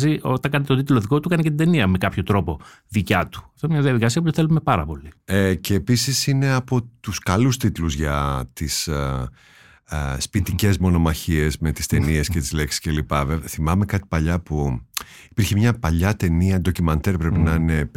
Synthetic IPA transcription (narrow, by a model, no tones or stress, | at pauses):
ziʔo̞t̪ɐŋkɐnet̪et̪ot̪it̪lo̞ðiko̞t̪ukɐnece̞t̪ind̪eniɐme̞kɐpço̞t̪ɾo̞po̞ | ðicɐt̪u̥ɐft̪oinemɲɐðiɐðikɐsiɐput̪eθe̞lume̞pɐɾɐpo̞liece̞ːpisisine̞ɐpo̞t̪uskɐlust̪it̪luzʝɐt̪is | spit̪ice̞zmo̞no̞mɐçie̞zme̞t̪i̥st̪e̞nie̞scet̪izle̞ksi̥sce̞lipɐveveθimɐme̞kɐt̪i̥pɐʎɐpuipiɾçemɲɐpɐʎɐt̪e̞niɐd̪o̞cumɐnt̪eɾpɾe̞pinɐine̞